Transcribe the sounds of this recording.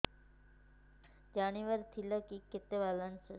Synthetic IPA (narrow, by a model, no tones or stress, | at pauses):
d͡ʑaɽ̃iʋəɾt̪ʰiləkiket̪eʋalənsə